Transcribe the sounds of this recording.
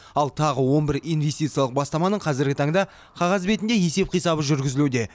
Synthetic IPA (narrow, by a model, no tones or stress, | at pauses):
ɑlˠt̪ʰɑʁəwo̞mbɪɾijnve̞st̪ijt̪sɨijɑlˠəq̚bɑst̪ɑmɑnəɴqʰɑzɪɾɡʲɪt̪ʰɑɴd̪ɑ | qʰɑʁɑzbe̞t̪ɪnd̪e̞je̞se̞p̚qʰijsɑβəʒʏɾɡʲɪzɪlud̪e̞